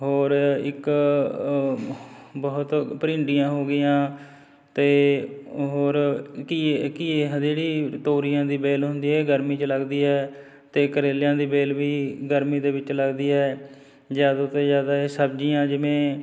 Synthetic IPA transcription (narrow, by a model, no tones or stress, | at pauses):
ɦoːɾɪk | bəʊt̪pəɾɪ̃ːɳɖijãːɦoːɡɪjãː | t̪eː | ɦoːɾkikieːɦəd̪eːɽiːt̪oːɾiːjãːd̪iːbeːlɦʊnd̪iːɦɛːɡəɾmiːt͡ʃləɡd̪iːɦɛː | t̪eːkəɾeːljãːd̪iːbeːlʋiːɡəɾmiːd̪eːʋɪt͡ʃləɡd̪iːɦɛː | d͡ʒaːd̪at̪eːzjaːd̪aːeːsəb̚d͡ʒiːjãːd͡ʒɪʋẽː